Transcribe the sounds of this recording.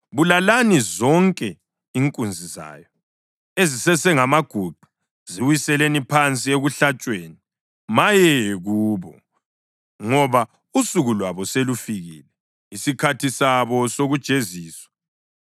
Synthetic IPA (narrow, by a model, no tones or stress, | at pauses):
βulalanizɔŋkʼɛ | iŋkʼund͡zʱiza̰ːjɔ | ezisɛsɛŋamaɡ̥ʱuɡ͡ǃʱu̥ | z̥iwisɛlenipʰant͡sʼieɣuɬat͡ʃʼweːni | majɛɣuːβɔ | ŋɔβa | usuɣulwaβɔselufiɣḭːlɛ | isikʰatʰisaβɔsoɣud̥ʒ̥ʱeziːswḁ